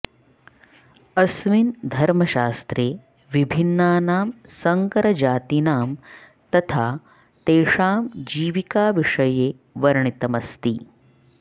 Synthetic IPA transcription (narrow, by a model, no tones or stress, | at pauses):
ɐsʋind̪ʱɐɾmɐʃaːst̪ɾeː | ʋibʱinːaːnaːmsɐŋkɐɾɐd͡ʒaːt̪inaːm | t̪ɐt̪ʰaː | t̪eːʂaːmd͡ʒiːʋikaːʋiʂɐjeː | ʋɐɾɳit̪ɐmɐst̪i